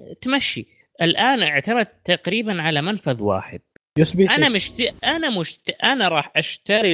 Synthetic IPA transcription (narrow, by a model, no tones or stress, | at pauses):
t̪maʃːi | ʔɪlʔaːnʔɪʕt̪amad̪̚t̪aqɾiːbanʕalamanfaðˤwa̰ːħɪ̰d̪̥̚ | jɪsbiːʔanamɪʃtʔanamʊʃt̪ʔanaɾˤɑːħʔaʃt̪aɾi